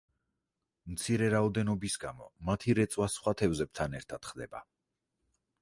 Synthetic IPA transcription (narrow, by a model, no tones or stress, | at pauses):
mt̪sʰiɾɛɾaɔd̪ɛnɔbisɡamɔ̰mat̪ʰiɾɛt̪sʼwasχwat̪ʰɛvzɛb̚t̪ʰanɛɾt̪ʰad̪̥χd̪ɛ̰ba̰